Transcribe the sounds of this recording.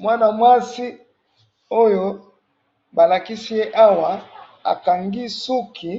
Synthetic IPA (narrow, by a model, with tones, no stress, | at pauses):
mwa˦na˨mwa˦si˦ | o˦jo˦ | ba˨la˨ki˦si˦je˦ʔa˦wa˨ | a̰˨ka˨ŋɡi˦su˦kʰi˨